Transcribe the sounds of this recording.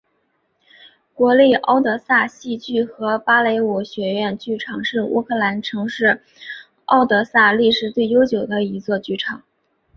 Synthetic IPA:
kwɔ˧˥li˥˩ʔɑ˥ʊt̪̬ɤ˧˥sa˥˧ɕi˥˧t͡ɕy˥˩xɤ˧˥pa˥le˧˥ɪu˧˥ɕɥɛ˧˥ɥɛ˥˧nt͡ɕy˥˩ʈ͡ʂʰɑ˨˩˦ŋʂɻ̩˥˩ṵ˥kʰɤ˥˩la˧˥nʈ͡ʂʰɤ˧˥ŋʂɻ̩˥˩ | ɑ˥˩ʊt̪ɤ˧˥sa˥˧li˥˩ʂɻ̩˨˩t̪we˥˩ɪjo˥ʊt͡ɕjo˨˩ʊd̪ə˦i˧˥t͡swɔ˥˧t͡ɕy˥˩ʈ͡ʂʰɑ˨˩˦ŋ

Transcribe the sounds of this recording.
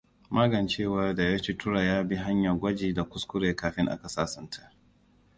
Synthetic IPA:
mʔaː˦ɡɐ˨nt͡ʃeː˦˨wa˦da˨ja˦t͡ʃi˦tʊ˦ɽa˨jaː˦bi˦ɦa˦ɲjɐ˨ɡʷɐ˦d͡ʒiː˨da˨kʷʊ˦skʷʊ˦ɾeː˨kaː˨ɸɪ˦ŋʔa̰˦ka˨saː˦sɐ˦ntʰa˦˨

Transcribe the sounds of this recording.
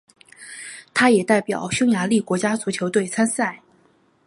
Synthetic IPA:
t̪ʰa˥jɛ˨˩t̪a˥˩ɪpjɑ˨˩˦ʊɕʊ˥ŋja˧˥li˥˩kwɔ˧˥t͡ɕja˥t͡su˨˥t͡ɕʰjo˧˥ʊt̪we˥˩ɪt͡sʰa˥nsa˥˩ɪ

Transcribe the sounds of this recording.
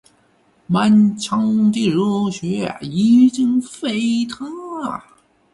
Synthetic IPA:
ma˥˧nt͡ɕʰɑ˥ŋt̪i˥˩ɻu˥ɕɥɛ˧˥a̰˨˩i˧˥t͡ɕi˥ŋfe˥ɪt̪ʰa˥˨

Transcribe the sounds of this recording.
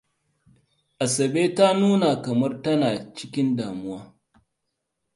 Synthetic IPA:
ʔa˨sɐ˨beː˦ta˦nuː˦na˨kɐ˨mɐ˦rtɐ˦naː˨t͡ʃɪ˦kʲɪ˦ndaː˨mʊ˦waː˦

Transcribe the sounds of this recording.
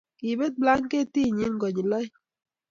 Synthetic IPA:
ki˨be˦t̪̚bla˦ŋke˦˨ti˦˨ɲi˦nɡɔ˨ɲi˨lɔ˦j

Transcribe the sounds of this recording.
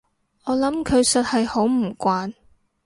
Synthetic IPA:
ɔː˨˧lɐ˨˥mkʰɵ˨˧ɥsɐ˨t̚hɐ˨jho˨˥wm̩˨˩kʷaː˨˧n

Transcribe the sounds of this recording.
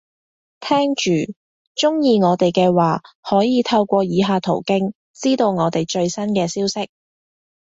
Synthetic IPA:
t̪ʰɛː˥ŋt͡ʃyː˨ | t͡ʃʊ˥ŋjiː˨˧ŋɔː˨˧t̪e˨˩jkɛː˧waː˨˩hɔː˨˥jiː˨˧t̪ʰɐ˧wkʷɔː˧jiː˨˧ɦaː˧t̪ʰo˨˩wkɪ˥ŋ | t͡siː˥t̪o˧wŋɔː˨˧t̪e˨˩jt͡ʃɵ˧ɥsɐ˥nkɛː˧siː˥wsɪ˥k̚

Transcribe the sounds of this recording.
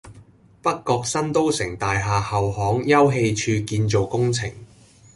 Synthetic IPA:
pɐ˥kːɔː˧k̚sɐ˥nt̪o˥wsɪ˨˩ŋt̪aː˨jɦaː˨hɐ˨whɔː˨˥ŋjɐ˥wɦe˧jt͡ʃʰyː˧kiː˧nt͡so˨wkʊ˥ŋt͡sʰɪ˨˩ŋ

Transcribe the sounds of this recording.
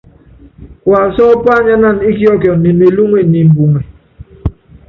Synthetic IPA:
kwa˨sɔ˦pa˦ɲa˦na˦˨ni˦ki˦ɔ˦kjɔ˨ni˨me˨lu˦ŋwe˨ni˨m˨bu˨ŋɛ˨

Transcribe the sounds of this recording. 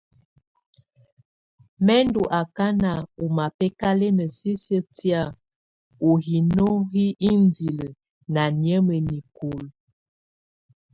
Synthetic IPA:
mɛ˦ndu˨ʔa˨ka˦na˨u˨ma˨pɛ˦ka˦le˦nə˨si˦sə˦tja˦˨ | o˨ɦi˨no˦ɣi˦ʔi˦ndi˨lə˨ | na˨njə˦mə˨ni˨ku˨l

